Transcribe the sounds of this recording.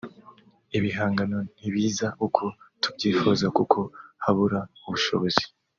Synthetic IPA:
iβiɦaːŋɡano̞n̥iβiːzaʔukʰo̞tʰubɟiːfuzakukʰo̞haβuɾauβuʃo̞̰βo̞zi̥

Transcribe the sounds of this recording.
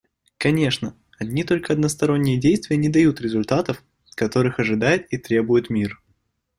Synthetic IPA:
kɐnʲe̞ʂnə | ɐdʲnʲit̪o̞lʲkəɐd̪nəst̪ɐɾo̞nʲːɪjədʲejst̪vʲɪjənʲɪd̪ɐjut̪ɾʲɪzʊlʲt̪at̪əf | kɐt̪o̞ɾɨxɐʐɨd̪ajɪt̪̚it̪ɾʲe̞bʊjʊt̪mʲir

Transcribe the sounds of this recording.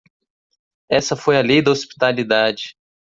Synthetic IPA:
ɛsɐfojɐlejd̪ɐospi̥t̪alid̪ad͡ʒɪ

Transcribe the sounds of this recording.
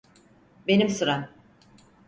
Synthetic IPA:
be̞nimsuɾam

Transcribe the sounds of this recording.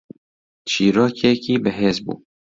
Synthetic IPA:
t͡ʃʰiːɾɑːkɛkiːbɨɦeːzbṵː

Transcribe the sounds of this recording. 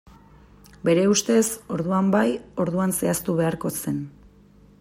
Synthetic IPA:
be̞ɾe̞ust̪e̞so̞ɾðuambajo̞ɾðuanse̞ast̪uβe̞aɾko̞se̞n

